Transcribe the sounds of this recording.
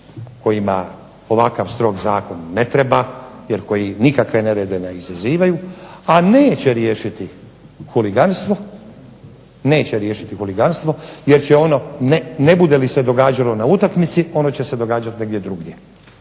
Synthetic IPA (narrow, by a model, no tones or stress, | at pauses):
ko̞jima | o̞ʋakaʋst̪ɾo̞ɡzaːko̞nːe̞t̪ɾe̞bajeɾko̞jinikakʋe̞neɾed̪eneizaziːʋajuane̞ːt͡ɕeɾje̞ːʃit̪i | xuliɡanst̪ʋo̞ | ne̞ːt͡ɕeɾje̞ːʃit̪ixuliɡanst̪ʋo̞je̞ɾt͡ɕeo̞no̞nene̞bud̪elise̞d̪o̞ɡaːd͡ʑalo̞naut̪akmit̪sio̞no̞t͡ɕe̞se̞d̪o̞ɡaːd͡ʒat̪ne̞ɡd̪ʲjed̪ɾuɡje